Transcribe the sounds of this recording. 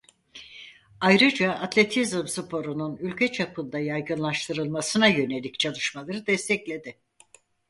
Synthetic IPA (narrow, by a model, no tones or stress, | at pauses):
ajɾɯd͡ʒaʔːt̪ʰlʲe̞t̪ʰizɯmsɨpʰo̞ɾununylʲcʰɛt͡ʃʰapʰɯnd̪ajajɡɯnlˠaʃt̪ʰɯɾɯlˠmasɯnajø̞ne̞lʲict͡ʃʰalˠɯʃmalˠaɾɯd̪ɛst̪ʰɛclʲe̞d̪ɪ